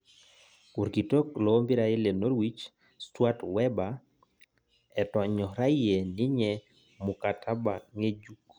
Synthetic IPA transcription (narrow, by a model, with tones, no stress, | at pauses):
ku˨ɾki˨to˦klɔ˨o˦mbi˦ɾaɪ˦le˨no˦ɾwi˦t͡ʃ | stwa˦twɛ˦ba | ɛ˨tɔ˨ɲɔ˨ɾa˦ije˨nɪ˦ɲɛ | mu˨katʰa˦baŋe˦d͡ʒuk